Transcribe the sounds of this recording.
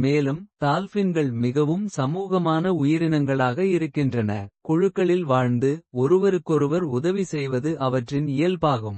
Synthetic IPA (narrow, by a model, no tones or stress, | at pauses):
meːlɯmt̪aːlfɪnɡɐɭmɪɣɐʋɯmsɐmuːɣɐmaːnɐʊjɪɾɪnɐŋɡɐɭaːɣɐɪɾɯkːɪndrɐnɐ̰kɔɻʊkːɐɭɪlʋaːɻnd̪ɯɔɾɯʋɐɾɯkːɔɾɯʋɐɾʊðɐʋisɛjʋɐðɯʔɐʋɐʈrɪnɪjɐlpaːɣɯm